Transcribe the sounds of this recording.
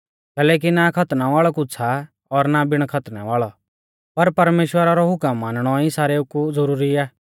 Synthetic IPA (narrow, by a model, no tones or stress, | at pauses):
kɛːlɛːk̬inakʰɐt̪naʋaːɭɔkʊt͡sʰa | ɔɾnabɪɽ̃kʰɐt̪naʋaːɭɔ | pɐɾpɐɾmeːʃwəɾaɾɔɦʊkəmːãːnəɽ̃ɔisaːɾeukuzɐɾuːɾiaː